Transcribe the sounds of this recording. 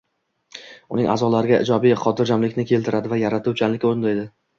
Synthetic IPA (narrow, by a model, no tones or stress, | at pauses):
ʊnɪŋʔa̰zɒlaɾɪɡʲaʔɪ̰d͡ʒɒbijχɒt̪ʰɪɾd͡ʒamlɪkʲnɪkʲʰe̞lt̪ʰɪɾad̪ɪvajaɾat̪ʊwt͡ʃʰanlɪkʲoɾɪnd̪aed̪ɪ